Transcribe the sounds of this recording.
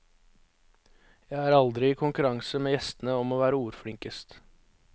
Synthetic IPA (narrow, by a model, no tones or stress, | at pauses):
jæɪæːɾɑld̪ɾɪiːkʰʊŋkʉɾɑŋsəmeːjɛst̪ənəɔmoːʋæːɾəuːɾfɽɪŋkəst̪